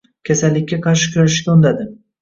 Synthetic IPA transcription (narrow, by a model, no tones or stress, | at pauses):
kʲʰasalːɪkʲːaqʰɑɾʃɪ̥kʰʲʊɾaʃɪ̥ʃk̪ʲaond̪ad̪ɪ